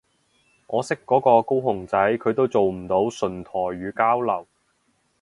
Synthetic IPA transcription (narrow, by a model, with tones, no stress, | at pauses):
ŋɔː˨˧sɪ˥kːɔː˨˥kɔː˧ko˥wɦʊ˨˩ŋt͡sɐ˨˥jkʰɵ˨˧ɥt̪o˥wt͡so˨wm̩˨˩t̪o˨˥wsɵ˨˩nt̪ʰɔː˨˩ɥyː˨˧kaː˥wlɐ˨˩w